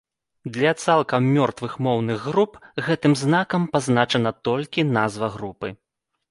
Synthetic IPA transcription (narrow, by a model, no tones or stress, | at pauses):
d̪lʲɐt̪salˠkɐmːʲɔrt̪vɨxmɔwnɨɣɣɾupɣɛt̪ɨmznakɐmpaznat͡ʂɐnɐt̪ɔlʲkʲinazvɐɣɾupɨ̰